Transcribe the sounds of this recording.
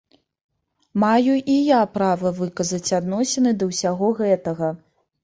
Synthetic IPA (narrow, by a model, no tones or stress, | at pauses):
majuʔijapɾavɐvɨkɐzɐt͡sʲad̪nɔsʲɛnɨd̪ɐwsʲaɣɔɣɛt̪ɐɣɐ